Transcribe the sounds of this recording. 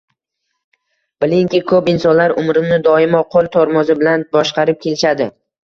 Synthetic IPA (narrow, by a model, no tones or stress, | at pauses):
b̥ɪlɪŋkʲɪkʰɵpɪnsɒnlaɾʊmɾɪnɪd̪ɒɪmɒqʰolˠt̪ʰɒɾmɒzɪbɪlanbɒʃqɑɾɪp̚kʲʰe̞lɪʃad̪ɪ